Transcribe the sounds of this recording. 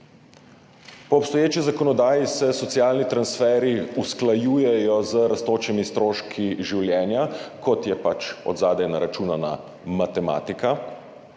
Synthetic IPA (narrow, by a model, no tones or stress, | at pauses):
pɔːpst̪ɔjeːt͡ʃizakɔnɔd̪aːjisɛsɔt̪sijaːlnit̪ɾansfɛːɾiusklajuːjɛjɔzəɾast̪oːt͡ʃɛmist̪ɾoːʃkʰiʒiwljɛːnjakɔt̪jɛpat͡ʃɔ̰d̪zaːd̪ɛnaɾat͡ʃuːnana̰ | mat̪ɛma̰ːt̪ika